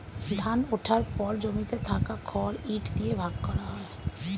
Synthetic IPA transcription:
d̪ʱanʊʈʰaɾpɔɾd͡ʒomit̪et̪ʰaːkakʰɔːɾiːʈʰd̪iebʱaːɡkɔɽaɦɔe

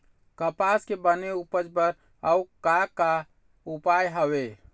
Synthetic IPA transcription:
kəpaskebəneupəd͡ʒbəɾ | əukaka | upajɦəbe

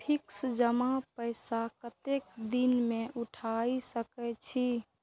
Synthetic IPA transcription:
pʰiksd͡ʒəmapəɪsakət̪ek̚d̪inmẽʔuʈʰaisəkɛt͡ʃʰi

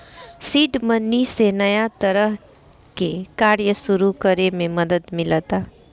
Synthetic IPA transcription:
siːʈmənːisenɐjat̪əɾəɦ | kekaːɾjəsʊɾukəɾemẽmɐd̪əd̪mɪlət̪aː

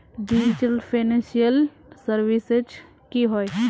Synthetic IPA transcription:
ɖid͡ʒiʈəlpʰanẽnsijəl | səɾʋised͡ʒ | kiɦoe

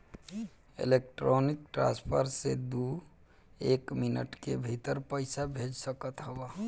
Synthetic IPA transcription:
ḛlek̚ʈɾonikʈɾã̰spʰəɾsed̪u | ekminə̰ʈkebʱit̪əɾpəɪsabʱed͡ʒsəkət̪ɦəba

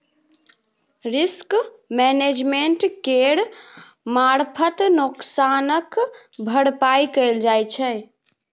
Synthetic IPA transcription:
ɾisk | mɛned͡ʒmeɳʈkeɽ | maɾpʰət̪nuksanəkbʱəɽpajkəɪld͡ʒajt͡ʃʰɛ

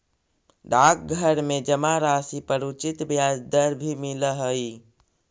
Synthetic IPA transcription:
ɖaːk̚ɡʱəɾmẽd͡ʒəmaɾaːsipəɾut͡ʃɪt̪bjaːd͡ʒd̪əɾbʱimiləɦəi

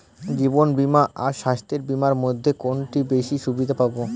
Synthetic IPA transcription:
d͡ʑibonbimaʔaɾʃaʃt̪eɾbimaɾmod̪ʱːekonʈibeʃiʃubid̪ʱapabo

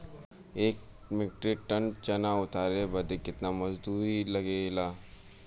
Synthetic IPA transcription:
eːk̚ | mɪʈɾiʈɐnt͡ʃɐnaʊt̪aːɾebɐd̪ekɪt̪namɐd͡ʒd̪uːɾilɐɡelaː

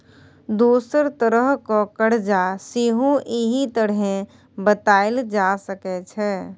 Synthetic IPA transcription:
d̪uːsəɾt̪əɾəɦkɔkəɽ̤d͡ʒasiɦũʔiɦit̪əɽɦẽ | bət̪aːɪld͡ʒasəkɛt͡ʃʰɛː

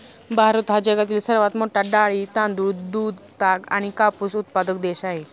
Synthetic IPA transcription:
bʱaɾut̪ɦad͡ʑəɡat̪̬iːlsəɾʋat̪moʈaɖaɭit̪ãnd̪uːd̪uːd̪ | t̪aɡa̰ɽ̃ikapusut̪̚pad̪əkd̪eɕaɦe

